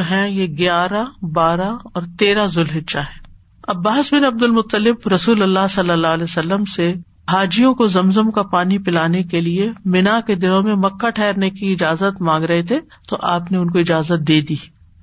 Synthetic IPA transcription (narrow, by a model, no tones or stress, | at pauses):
oɦɛ̃jeɡjaːɾabaːɾaɔːɾt̪eːɾazʊlɦɪtːʃaɦɛː | ɐbːaːsbɪnɐb̚d̪ʊlmʊt̪ːəlɪbɾɐsuːlɐlːaɦsɐlːəlːaːlɛsɐlːəmse | ɦaːd͡ʒijõkozɐmzəmkapaːnipɪlaːnekeliemɪnaked̪ɪnõmẽmɐkːaʈʰɛːɾnekiɪd͡ʒaːzət̪mãːŋɡɾɐɦet̪ʰe | t̪oʔaːpneʊnkoɪd͡ʒaːzət̪̚d̪eːd̪iː